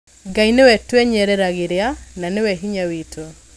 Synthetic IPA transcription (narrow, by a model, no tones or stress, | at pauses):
ɡainewɛtwɛɲɛɾɛɾaɣeɾeananewɛɦiɲawitʰo